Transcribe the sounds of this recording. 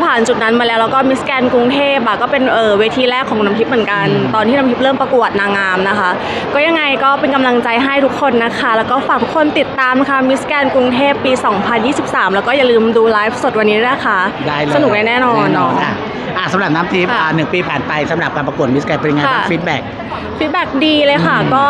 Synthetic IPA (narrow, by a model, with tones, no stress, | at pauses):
pʰaː˨˩nt͡ɕu˨˩t̪̚na˦˥nmaː˧lɛː˦˥wlɛː˦˥wkɔː˥˩mi˦˥skɛː˧nku˧ŋt̪ʰeː˥˩p̚ʔa˨˩kɔː˥˩pe˧nʔɤː˨˩weː˧t̪ʰiː˧ɾɛː˥˩kʰːɔː˩˦ŋna˧mp̪ʰi˦˥p̚mɯ˩˦nka˧nt̪ɔː˧nt̪ʰiː˥˩na˧mpʰi˦˥p̚ɾɤː˥˩mpa˧ku˨˩ət̪̚naː˧ŋaː˧mna˦˥kʰa˦˥ʔ | kɔː˥˩ja˧ŋːa˧jkɔː˥˩pe˧nka˧mla˧ŋt͡ɕa˧jɦa˥˩jt̪ʰu˦˥kʰːo˧nːa˦˥kʰa˦˥lɛː˦˥wkɔː˥˩faː˨˩k̪̚ʰu˦˥kʰːo˧nt̪i˨˩t̪ːaː˧mna˦˥kʰa˦˥˩mi˦˥skɛː˧nku˧ŋt̪ʰeː˥˩pːiː˧sɔː˩˦ŋpʰa˧njiː˥˩si˨˩p̚saː˩˦mlɛː˦˥wkɔː˥˩ja˨˩lɯː˧mduː˧laː˦˥jf̚so˨˩wa˧nːiː˦˥djkʰa˦˥ʔdaː˥˩jsa˧nu˨˩k̚da˦˥˦nɛː˥˩nɔː˧nːɔ˦˥a˧˩ | ʔa˧˩sa˨˦mɾa˨˩p̚naː˦˥mt̪ʰiː˦˥p̚aː˨˩nɯ˨˩ŋpiː˧pʰaː˨˩npa˧jsa˨˦mɾa˨˩kaː˧npa˧u˨˩ət̪̚mi˦˥skɛː˧npi˧ŋaː˧a˥˩fi˦˥t̪̚bɛː˨˩k̚ | fi˦˥t̪̚bɛː˨˩k̚diː˧lɤː˧jxʰa˨˩kɔː˥˩